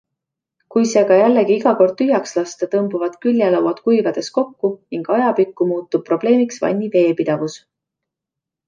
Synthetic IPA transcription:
kujse̞ːɡ̥ɑjælːeɡiiɡɑko̞rd̪̥̚t̪yɦjɑkslɑst̪et̪ɤmbuvɑd̪̥kylʲjɑlɑwɑt̪kujvɑd̪̥e̞sko̞kːuniŋɡ̥ɑjɑpikːumuːt̪ːub̥̚pːro̞b̥le̞ːmiksvɑ̰nʲːive̞ːpid̪̥ɑvus

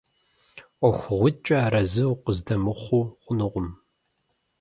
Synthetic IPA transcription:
ɔxʷʊʁʷʊt͡ʃʼɐɾɐzɨwʊqʷʊzdɐmɨχʷuːχʷʊnɨʁʷʊm

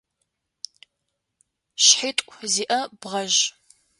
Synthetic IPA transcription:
ɕħiːtʼʷziːʔɐb̥ʁɐʒ

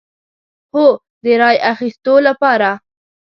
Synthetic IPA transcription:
xo | d̪əɾɑjaxist̪olapɑɾa

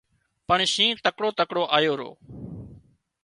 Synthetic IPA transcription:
pəɳʃĩːt̪əkɽoːt̪əkɽoːʔaːjoːɾo̰ː

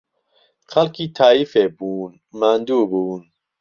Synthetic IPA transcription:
xɐlkʰiːt̪ʰaːifeːbuːn | maːnd̪uːbuːn

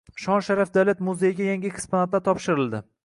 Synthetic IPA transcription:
ʃɒnʃaɾafd̪alʲat̪mʊzejɡʲajaŋɡʲɪkʲʰspʰonat̪lat̪ʰɒpʃɪɾɪlˠd̪ɪ

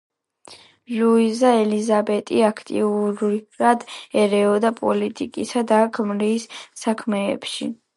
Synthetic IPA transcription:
luizaɛlizabɛt̪ʼiakʰt̪ʼḭuɾɾad̪ɛɾɛɔd̪apʼɔlit̪ʼikʼisad̪akʰmɾiːsːakʰmɛ̰ːpʃḭ

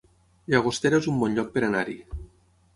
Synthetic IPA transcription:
ʎaɣost̪eɾaezumbɔnʎɔk̚peɾanaɾi

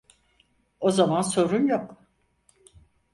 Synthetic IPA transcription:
o̞zamanso̞ɾunjok

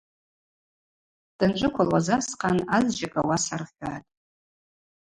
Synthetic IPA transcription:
d̥ɨnʈ͡ʂʷʼɨkʷʰalwazasqʰanazd͡ʒakʷʼʰawasarʁʲɡatʼ

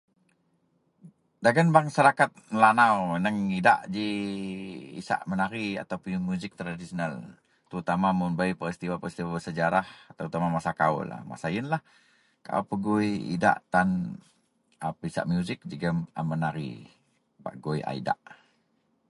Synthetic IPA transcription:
daɡanbaŋsaɾakat̪̚məlanawənəŋida̰ʔd͡ʒi | ḭsa̰ʔmənaɾia̰t̪awpumjuzɪk̚t̪ɾadisional | t̪əɾut̪amamʊnbaipəɾist̪iwapəɾist̪iwabərsəd͡ʒaɾahat̪aut̪amamasakaṵla̰ma̰saənlah | ka̰upəɡuiḭda̰ʔt̪an | apisa̰ʔmjuzɪk̚d͡ʒəɡəma̰mənaɾḭ | ba̰ʔɡojʔa̰ḭda̰ʔ

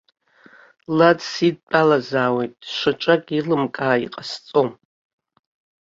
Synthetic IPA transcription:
ladsid̚pʼalazaːwejtʼʂʷat͡ʃʷʼakʼilɨmkʼaːiqʼast͡sʼom

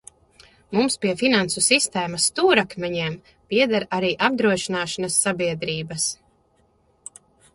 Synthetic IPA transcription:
mumspiɛfinansusist̪ɛːmast̪uːɾakmʲɛɲiɛm | piɛd̪aɾaɾiːʔab̚d̪ɾuɔʃinaːʃanɐsːabiɛd̪ɾiːbɐs

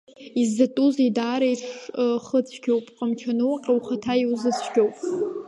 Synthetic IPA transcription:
izːatʼuzidaːɾajʈ͡ʂʰʷχət͡sʷʰɡʲowpʼqʼəmt͡ʃʰanɨwaqʲʼawχatʰaiwzɨt͡sʷʰɡʲowpʼ

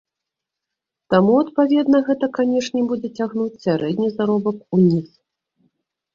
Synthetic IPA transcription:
t̪amuɐt̪pavʲɛd̪nɐɣɛt̪ɐkanʲɛʂnʲɛbud͡zʲɛt͡sʲaɣnut͡sʲsʲaɾʔɛd̪ʲnʲizaɾɔbɐkunʲis

